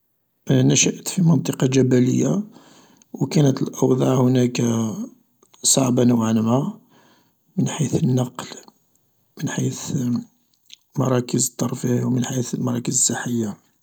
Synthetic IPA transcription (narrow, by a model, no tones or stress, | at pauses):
ʔnəʃəʔt̪fimənt̪ˤəqɑʒæbælə̰jːa | wkænət̪əlʔɑwd̪ˤɑʕhʊnæk | sˤɑʕbanəwʕanma | mənħiθənːɑql | mənħiθ | mɑɾˤɑkəzət̪ˤːɑɾˤfiwmənħiθlmɑɾˤɑkəzəsˤːəħːəjːa